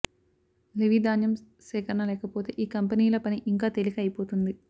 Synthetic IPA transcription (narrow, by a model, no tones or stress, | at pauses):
liʋid̪aːnjɐm | sɛːkɐɾɐnɐlɛːkɐpoːt̪e̞̰ːʔiːkɐmpɐniːlɐpɐniʔiŋkaːt̪elikɐjipo̞ːt̪und̪i